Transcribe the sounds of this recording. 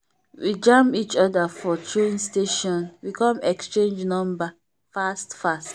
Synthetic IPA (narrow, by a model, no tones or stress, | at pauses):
wid͡ʒãmit͡ʃɔdafɔtʰɹẽnsteʃɔ̃nwikɔ̃mɛkst͡ʃẽnd͡ʒnɔ̃mba | fastfast